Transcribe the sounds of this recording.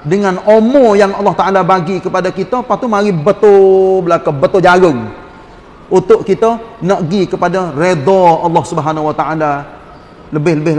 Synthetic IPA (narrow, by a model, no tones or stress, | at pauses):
dəŋanomɔ̃jaŋɑlːɑht̪aʔalabaɡikəpadakit̪əpat̪umaɾibət̪obəlakəbət̪od͡ʒaɾəŋ | ut̪ʊʔkit̪ənəʔɡikəpadəred̪ɔɑlːɑhsubəɦanawat̪aʔala | ləbɪhləbɪ